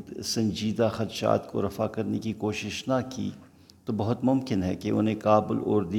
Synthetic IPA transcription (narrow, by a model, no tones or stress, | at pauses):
d̪sɐ̃ɲd͡ʒiːd̪axɐt̪ʃa̰ːt̪ko̰ɾɐfa̰kɐɾnekikoːʃɪʃnakḭː | t̪obɐɦʊt̪mʊmkɪnɦɛkeʔʊ̰n̤ẽkaːbɪloːɾd̪i